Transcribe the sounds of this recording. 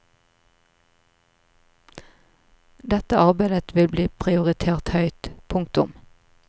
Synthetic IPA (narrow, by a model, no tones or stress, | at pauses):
d̪ɛt̪əʔɑʁbæɪd̪ət̪ʋɪlbliːpʰʁɪʊʁɪt̪ʰeːʁt̪hœʏt̪pʰʊŋkt̪ʊ̰m